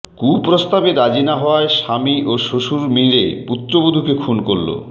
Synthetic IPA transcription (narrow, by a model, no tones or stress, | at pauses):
kupɾost̪abeɾad͡ʑinaɦɔaeʃamiʔoʃoʃuɾmiɾeput̪ːɾobod̪ʱukekʰunkolːo̰